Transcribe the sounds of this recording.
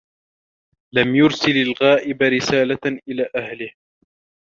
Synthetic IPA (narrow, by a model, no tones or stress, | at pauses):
lamjʊɾsɪlalɣaːʔɪbɾɪsaːlaʔɪlaːʔahlɪh